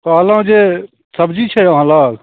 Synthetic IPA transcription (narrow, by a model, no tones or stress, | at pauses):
kaːlãːd͡ʒeː | səbd͡ʒiːt͡ʃʰeɦãːlaː